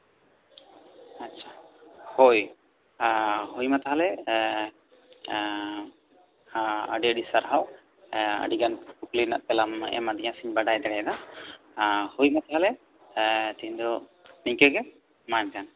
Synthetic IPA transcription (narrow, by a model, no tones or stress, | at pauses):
aːt͡ʃʰḁhoj | ɦujmat̪aɦalɛ | ə̰ɖɛɖisaɾɦaw | ə̰ɖiɡanpuklina̰ʔpɛlamʔɛ̰mad̪ɛɲãsiɲbaɖajd̪ɛɽɛd̪a | hujmat̪aɦalɛ | t̪ɛɲd̪ɔ | niɲkɛɡɛ | mant̪an